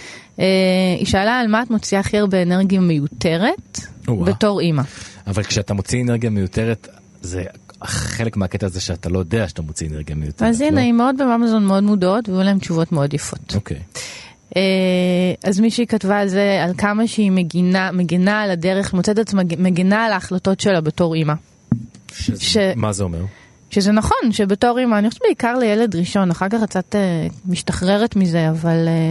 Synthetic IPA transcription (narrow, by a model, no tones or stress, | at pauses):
eḭʃaːlaːlmaːtmo̞t͡siaχiʁbeːneʁɡijamejute̞ʁe̞tobeto̞ʁimaavalkʃeatamo̞t͡sieneʁɡijamejute̞ʁet | zeaχelekmeaketaːzeʃeatalo̞jodeaʃat̪amot͡sieneʁɡijamejuteazienaimeod̚bemamazo̞nmeo̞dmudao̞tvejulae̞mt͡ʃuvo̞tmeo̞djafo̞tokʰej | ʔe | azmiʃeikatvaːlzealkamaʃeiɡinameɡinaladeʁeχmot͡setat͡smameɡinaːlaːχlato̞tʃelabe̞to̞ʁima | ʃemazeomeʁ | ʃezenaχo̞nʃebe̞toʁimaːniχoʃeɛvbeikaʁlejeledʁiʃo̞naχaʁkaχk̚t͡satemiʃtaχʁe̞ʁetmize̞aval